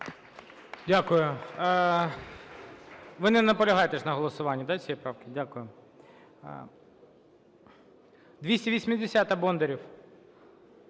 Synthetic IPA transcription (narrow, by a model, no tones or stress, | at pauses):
dʲakʊjʊ | ʋɪnɪnɐpɔlʲɐɦɑjt̪eʃnɐɦɔlˠɔsʊʋɑnʲːɐd̪at͡sʲijɛpɾɑwkɪdʲakʊjʊ | d̪ʲʋʲisʲtʲiʋʲisʲmʲɪd̪ʲesʲat̪ɐbɔnd̪eɾʲiw